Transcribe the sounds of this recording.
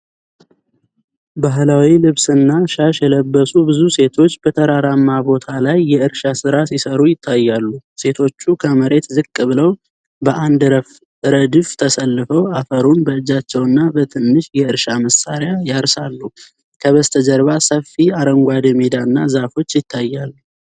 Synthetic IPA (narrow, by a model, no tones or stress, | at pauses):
baɦlawilɨβsɨnːaʃaʃɛləbːəsubɨzuse̞t̪ʰo̞t͡ʃːbət̪ʰəɾaɾamːabo̞t̪ʰalajːɛɨɾʃasɨɾasisəɾujɪt̪ʰːajːalːuse̞t̪ʰo̞t͡ʃːukʰəməɾe̞t̪zɨkʼːɨβɨləw | bəʔand̪ɾəf | ɾəd̪ɨft̪ʰəsəlːɨfəwafəɾunbəɨd͡ʒat͡ʃːɛwɨnːabət̪ʰɨnːɨʃjɛɨɾʃaməsaɾɪjajaɾsalːu | kʰəβəst̪ʰəd͡ʒəɾβasəfːiaɾəŋɡʷad̪əmed̪aɨnːa̰zafo̞t͡ʃːjɪt̪ʰːajːalːu